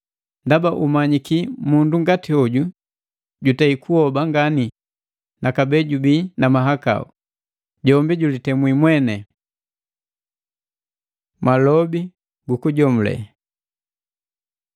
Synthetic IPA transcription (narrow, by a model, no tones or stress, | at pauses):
ndabaʔumaɲikimunduŋɡatiɔɟu | ɟutaikʰuhɔbaŋɡani | nakabɛɟubinamaɦaka̰ṵ | ɟɔmbiɟulitɛmwimwɛnɛ | malɔbi | ɡukuɟɔmulɛ̰